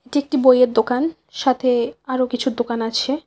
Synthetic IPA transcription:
eʈiek̚ʈibojeɾd̪okan | ʃat̪ʰeaɾokit͡ɕʰud̪okanat͡ɕʰe

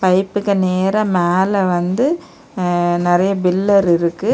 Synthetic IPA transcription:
pɐɪpːɯkːɐneːɾɐmeːlɐʋɐnd̪ɯ | nɪɾɐjɐbɪlːɐɾɪɾɯkːɯ

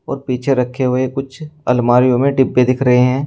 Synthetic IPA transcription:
ɔ̰ːɾpiːt͡ʃʰeɾɐkʰːeɦʊekʊt͡ʃʰɐ̰lmaːɾijõmẽɖɪbːed̪ɪkʰɾɐɦeɦɛ̃ː

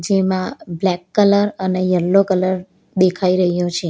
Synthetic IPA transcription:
d͡ʒemãblɛkːələɾənejəlːokələɾ | d̪ekʰaiɾəɦjot͡ʃʰe

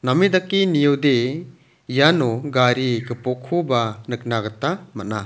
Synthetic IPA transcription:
namid̪akːinijɯwd̪e | janɔɡaɾikɯpɔkʰubanɯk̚naɡɯtamat̚na

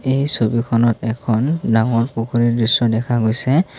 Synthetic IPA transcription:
ejsobikʰɔnɔtɛkʰɔndaŋɔɹpokʰoɹidɹisɔdɛkʰaɡojsɛ

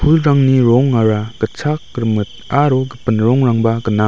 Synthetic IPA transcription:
pʰulɾaŋniɾɔŋaɾaɡ̥ɯt͡ʃʰak̚ɾmɯt̚aɾɔɡɯpɯnɾɔŋɾaŋbaɡɯna

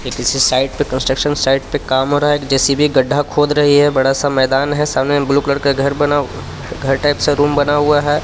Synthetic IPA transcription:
jekɪsisaːɪʈ̚pekə̃nsʈɾəkʃənsaːɪʈ̚pekaːmɦoɾaekd͡ʒɛːsibʱiɡɐɖʱːakʰoːd̪ɾɐɦiɦɛbɐɽasamɛːd̪aːnɦɛsaːmnebluːkləɾkeɡʱɐɾbɐna | ɡʱɐɾʈaːɪpseɾuːmbɐnaɦʊaɦɛː

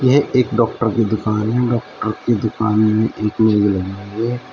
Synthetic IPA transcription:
jɛɦʔeːkɖɔːk̚ʈəɾked̪ʊkaːnɦɛ̃ɖɔːk̚ʈəɾked̪ʊkaːnmẽʔeːkmeːɡlɐɡnaɛ

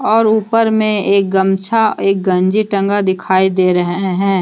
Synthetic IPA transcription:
ɔːɾuːpəɾmẽeːk̚ɡəmt͡ʃʰaeːk̚ɡɐ̃ɲd͡ʒiʈə̃ŋɡad̪ɪkʰaːid̪eːɾɐɦɦeɦɛ̃ː

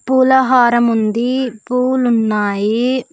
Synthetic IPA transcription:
puːlɐɦaːɾɐmund̪ipuːlunːaːji

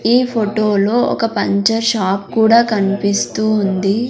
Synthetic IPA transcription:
iːpʰoʈoːlo̞ːɔ̰kɐpɐɲt͡ʃɐɾʃaːp̚kuːɽaːkɐnipist̪uːund̪i

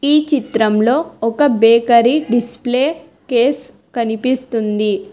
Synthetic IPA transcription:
iːt͡ʃit̪ɾɐmlo̞ːɔkɐbeːkɐɾiɖispleː | ke̞ːs | kɐnipist̪und̪i

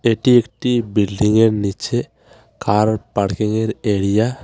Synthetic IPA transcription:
eːʈiekʈibilɖiŋɡeɾnit͡ʃʰe | kaːɾpɐɽkeŋɡeɾeːɽija

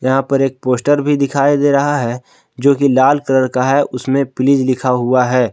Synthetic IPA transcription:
jɐɦãpɐɾeːk̚poːsʈəɾbʱid̪ɪkʰaːid̪eːɾɐɦaɦɛ | d͡ʒoːkilaːlkəɾəɾkaɦɛʔʊsmẽpɪlɪd͡ʒlɪkʰaɦʊaɦɛː

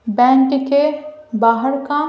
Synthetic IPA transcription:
bɛ̃ːɳʈkebaːɦəɾkã

